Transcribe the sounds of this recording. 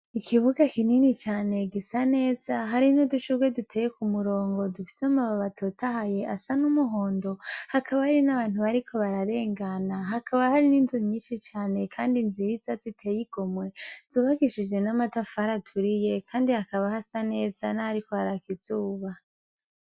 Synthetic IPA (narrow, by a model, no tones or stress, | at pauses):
ikʰiβuɡakininit͡ʃaːne̞ɡisane̞ːz̥aɦaɾinoduʃuɡwe̞dutʰe̞ːjekumuɾo̞ːŋɡo̞dufi̥semaβaβatʰotahaje̞ʔasanumuɦo̞ːndo̞hakʰaβahaɾinaβaːn̥huβaɾikʰo̞βaɾaɾe̞ːŋɡanaɦakʰaβahaɾininzuɲɲiːnʃit͡ʃaːne̞kʰaːndinziizazitʰejiɡ̥o̞mwez̥uːβaɡiʃid͡ʒe̞namatafaɾatʰuɾije̞kʰaːndihakaβahasane̞ːzanahaɾiko̞haɾakiz̥uːβa